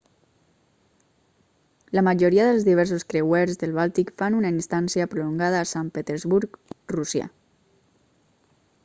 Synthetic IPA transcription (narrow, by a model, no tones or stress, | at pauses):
ləmaʒoɾiaðəlzðiβ̞ɛɾsoskɾewɛɾzðəlˠβ̞alt̪ikfanunainst̪ansiapɾuluŋɡað̞aːsampet̪eɾzβuɾkrusja̰